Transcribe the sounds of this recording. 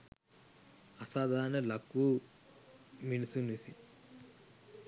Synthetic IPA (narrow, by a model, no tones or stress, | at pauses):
ɐsaːd̪ʱaːnɐlɐku | minisunisi